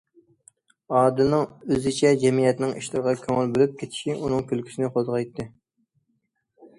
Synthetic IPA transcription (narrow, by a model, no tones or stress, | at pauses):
ɑːd̪ɨnɨŋøzɪt͡ʃʰɛd͡ʒɛmijɛt̪nɪŋḭʃlˠɨɾʁɑkʲʰøŋɪlbølyp̚kʲʰet̪ʰɪ̥ʃiʔunɨŋkʲølkʲʰy̥sɪnɪqʰozʁɑjt̪ʰːɨ